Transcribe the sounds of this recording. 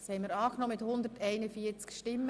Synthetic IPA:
shɛɪmiɾɑːknɔməmɪthʊnd̪əɾtæɪnəfiːət͡skʃtɪmːə

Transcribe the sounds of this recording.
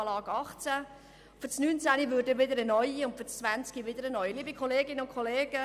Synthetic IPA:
lɑːɡ̥ɑχt͡sæ | fʏt͡snyːnt͡sæniʋøːɾdəʋɪdəɾənœʏiʊntfʏt͡st͡sʋænt͡skiʋɪd̪əɾənɔʏiliːbikʰχɔleːɡɪnəʊnkʰχɔleːɡ̥ə

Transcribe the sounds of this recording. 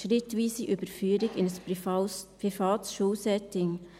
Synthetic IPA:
ʃɾɪtʋiːsiʔybəɾfyːəɾɪɡɪnəs | pɾifɑːt̪sʃuːsɛtɪŋ

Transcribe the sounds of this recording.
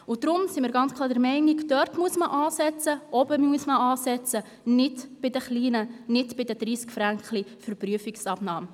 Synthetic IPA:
ʊd̥̪ɾʊmsimɪːɾɡɑnt͡skʰlɑːɾdɛɾmɛɪnikd̥̪œɾtmuəsməʔɑːsɛt͡səʔɔbəmuəsməɑːsɛt͡sə | nɪtb̥ɪd̪əχliːnənɪtbɪdəd̥̪ɾiːskfɾæŋkχlifəɾpryəfiksɑpnɑːm

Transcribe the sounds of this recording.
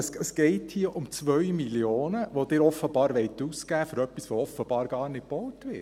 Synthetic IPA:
səsɡ̥ɛɪthiəʔʊmt͡sʋœɥmiljoːnəʋod̥ɪːɾɔfːəbɑːɾʋɛɪt̪uːskæːføɾœpːisʋoɔfəb̥ɑːɾɡ̥ɑːɾnɪt̚b̥ɔʊtʋɪ

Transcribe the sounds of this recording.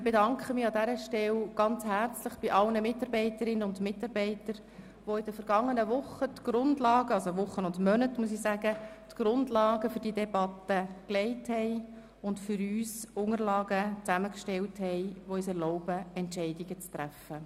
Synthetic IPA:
ɪb̥edɑŋkχəmɪɑdæɾəʃtɛlɡ̥ɑnt͡shært͡sləχb̥ɪʔɑlnəmɪtːɑɾbɛɪtəɾɪnːənʊndmɪtɑɾbɛɪtəɾ | ʋoɪd̥əfəɾɡ̥ɑŋːənəʋʊχətɡ̥ɾʊndlɑːɡ̥əɑlsoʋʊχːənʊndmœnətmus̬isæɡ̥ətɡ̥ɾʊndlɑːɡəfʏɾd̥iədɛbɑtːəklɛɪthɛɪ | ʊntfʏɾyːsʊŋəɾlɑːɡət͡sæməkʃtɛlthɛɪʋoyːsɛrlɔʊbəɛntʃɛɪdiɡət͡st̪ɾæfːə

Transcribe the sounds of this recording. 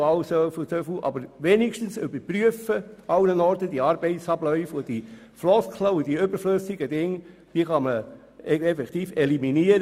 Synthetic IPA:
ɑwsøfsøfuʔɑ̰bəɾʋeniʃtənsʏbəɾpɾyəfəɑwnənɔɾtəd̥̪iɑːɾb̥ɛɪtsɑblœʏfʊd̥i | flɔskʰləʊd̥̪iʏbəɾfløsɪɡ̥əd̪ɪŋː | d̥iəχɑmə | ɛfɛkt̪iːfɛliminiəɾ

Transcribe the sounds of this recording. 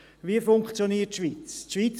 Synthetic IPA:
viəfʊŋkχt͡sjoniːətʃʋiːt͡sʃʋiːt͡s

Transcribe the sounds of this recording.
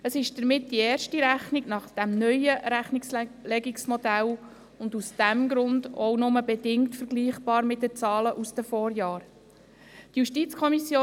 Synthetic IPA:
əsɪʃd̥əɾmɪt̚d̥ieːɾʃtiɾæχniɡnɑχd̥æmnœjəɾæχnikslɛɡiksmɔd̥æl | ʊndusd̥æmɡɾʊndɔnʊməbɛdɪŋktfəɾɡliːχb̥ɑːɾmɪt̚dət͡sɑːləʔusd̥əfɔːɾjɑːɾ | tjuʃtit͡skʰɔmisjoː

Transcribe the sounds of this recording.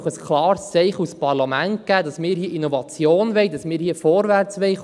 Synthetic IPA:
χəskʰlɑːrst͡sɛɪχuspɑrlɑmæntɡ̥æːdɑsmɪːɾhiəʔinovɑt͡sjoːnʋɛɪdɑsmɪːɾhiəfɔːɾvært͡sʋɛɪ

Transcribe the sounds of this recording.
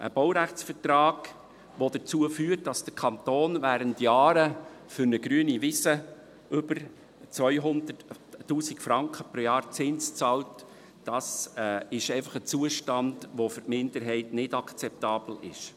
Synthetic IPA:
ʔə̰b̥owɾæχt͡sfəɾtrɑːɡ̥ | ʋod̥ət͡suəfyːərt̚dɑsd̥əkʰɑntoːnvæːɾəntjɑːɾəfʏɾnəɡɾyːənivɪsə | ʏbəɾ | t͡sʋœʏɦʊndətːuːsɪkfɾɑŋkχəpɾojɑːɾt͡sɪnst͡sɑlt | d̥ɑsɪʃɛɪfɑχət͡suəʃtɑndʋofʏɾtmɪndəɾɦɛɪtnɪdɑkt͡sɛp̚tɑːb̥l̩ɪ̰ʃ

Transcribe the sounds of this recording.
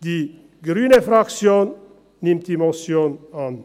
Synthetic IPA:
d̥iː | ɡʁyːnəfɾakt͡sjoːnː | ɪmt̚d̥̪iːmɔsjoːnan

